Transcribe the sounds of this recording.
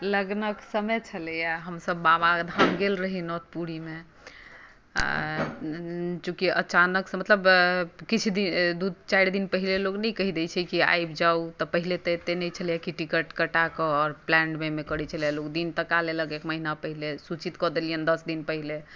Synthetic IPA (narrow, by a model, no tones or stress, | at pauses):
ləɡnəksəmət͡ʃʰələjaɦəmsəbːabad̪ʱamɡelɾəɦinɔt̪̚puɾime | t͡ʃũkiə̰t͡ʃanəksə̃mət̪ləbkit͡ʃʰd̪id̪ud̪̚t͡ʃajɾd̪inpəɦileloknɛkəɦid̪ɛt͡ʃʰɛkia̰jbd͡ʒaut̪ɔpəɦilet̪et̪enɛjt͡ʃʰəljakiʈikəʈkəʈakəɔɾplɛ̃ɳɖmemekəɾɛt͡ʃʰəljalokd̪int̪əkaleləkekməɦinapəɦilesut͡ʃit̪kɔd̪elijənd̪əsd̪inpəɦile